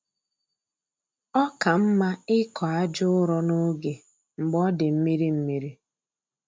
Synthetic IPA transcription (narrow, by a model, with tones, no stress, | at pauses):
ɔ˦ka˨m̩˦ma˦ɪ˦kɔ˨a˦d͡ʒʊ˦ʊ˦ɾɔ˦nʊ˦ɡe˨ | m̩˨ɡ͡bɔ˦dɪ˨m̩˦mi˦ɾi˦m̩˦mi˦ɾi˦